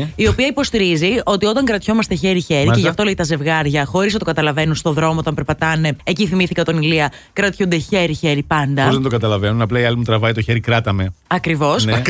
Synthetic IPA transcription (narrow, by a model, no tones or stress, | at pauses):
io̞piɐipo̞st̪iɾizio̞t̪io̞t̪ɐŋkɾɐt̪ço̞mɐst̪e̞çe̞ɾiçe̞ɾice̞ʝɐft̪oleit̪ɐze̞vɣɐɾʝɐxo̞ɾiznɐt̪okɐt̪ɐlɐve̞nunst̪o̞ðɾo̞moo̞t̪ɐmpeɾpɐt̪ɐne̞eciθimiθikɐt̪o̞niliɐ | kɾɐt̪çund̪e̞çe̞ɾiçe̞ɾipɐnd̪ɐðend̪okɐt̪ɐlɐvenunɐplɐiɐlimut̪ɾɐvɐit̪oçe̞ɾikɾɐt̪ɐme̞ɐkɾivo̞sn